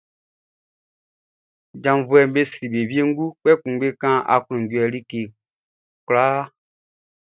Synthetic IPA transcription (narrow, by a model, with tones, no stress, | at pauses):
d͡ʒã˨m˨vu˦ɛ˨m˦be˦si˨be˨vi˦e˦ŋ̩˦ɡu˦k͡pɛ˦kũ˨˦ɡ͡be˦kã˦ʔa̰˨kũ˨ŋ˨ɡwɛ˨li˦ke˨ | kla˦